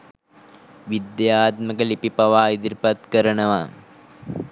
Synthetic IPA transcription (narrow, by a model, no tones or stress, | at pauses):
ʋid̪jaːt̪məkəlipipɐʋaːid̪iɾpɐt̪kəɾəɳəʋa